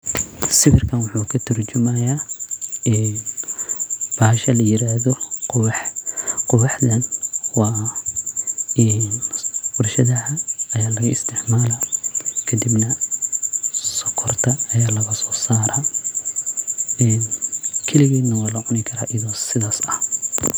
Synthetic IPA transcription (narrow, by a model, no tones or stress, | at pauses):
sɪfɪrkʰɐnwʊħuːkʰɐt̪ʰɐrt͡ʃʊmɐjaː | ɛːn | b̥ahɐʃɐlɐjɪɾaːðɔqwħqʊwɑħd̪ɐnwɑː | ʔɛːnbʊrʃɐðɐhɐɐjaːlɐɣɐɪst̪ʰɪʕmaːlɐkʰɐd̪ibnɐ | sɔkʰɔrt̪ʰɐːjaːlɐɣɐsɔːsaːɾɐ | ɛːnkʰɛlɪɣɛːd̪nɐwɑːlɐʕʊnɪkʰɐɾa̰ːʔɪðɔːsɪðaːsɐh